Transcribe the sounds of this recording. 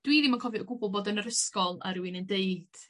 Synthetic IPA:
d̥wiðimankʰɔvɨəɡʊblˠbɔdənəɾəskɔlˠa̰ɾuinəndeɨd̥

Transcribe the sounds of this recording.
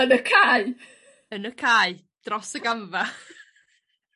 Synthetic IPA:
ənəkʰaj | ənəkʰaːj | d̥rɔsəɡamva

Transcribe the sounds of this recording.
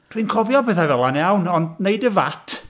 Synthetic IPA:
d̥winkʰɔvjɔbɛθavɛlˠanjawnɔndneɨdəvatʰ

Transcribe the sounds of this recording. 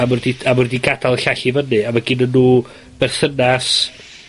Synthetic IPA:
amʊrdiamʊrdiɡad̥alˠɬaɬivənɨavɛɡɪnənːuː | b̥ɛrθənas

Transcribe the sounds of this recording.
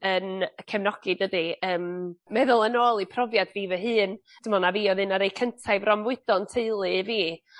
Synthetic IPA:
ənkʰɛmnɔɡ̥idədiəːmmɛðʊlˠənoːlˠipʰrɔvjad̥viːvɛɦɨːn | d̥əmɔnaviːɔðɨnaɾejkʰəntʰajvrɔmvɪɨd̥ɔntʰeɨlˠɨviː

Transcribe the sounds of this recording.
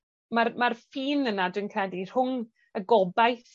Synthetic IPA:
marmarfiːnənadwɨnkʰrɛdir̥hʊŋ | əɡɔbajθ

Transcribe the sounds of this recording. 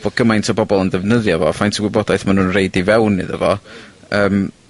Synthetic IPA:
vɔɡ̥əmajntʰɔbɔbɔlˠəndɛvnəðjavɔfajntʰəɡwɪbɔdajθmanuːnreɨdivɛwnɨ̰ðə̰vɔəːm

